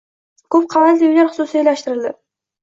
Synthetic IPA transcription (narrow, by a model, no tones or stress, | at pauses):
kʰɵp̚qʰɑmat̪d̪ɪujlaɾχʊ̥susɪejlaʃt̪ɪɾɪld̪ɪ